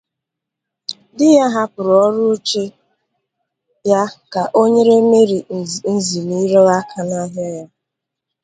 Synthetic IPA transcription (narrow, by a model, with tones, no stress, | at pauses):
dɪ˦ja˦ɦa˦pʊ˨ɾɔ˦ɾʊ˦o˦t͡ʃe˦ | ja˦ka˨ʔo˦ɲe˦ɾe˦me˦ɾi˨n̩˦zi˨ni˦ɾɔ˦a˦kʰa˨na˦ɦa˦ja˦